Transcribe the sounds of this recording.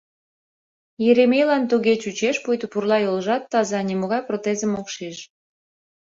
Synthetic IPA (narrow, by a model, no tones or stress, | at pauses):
jeɾemejlɑnt̪uɣet͡ɕut͡ɕeʃpujt̪ə̆purlɑjolʒɑt̪ːɑzɑnʲimoɣɑjprot̪ezəmokʃiʃ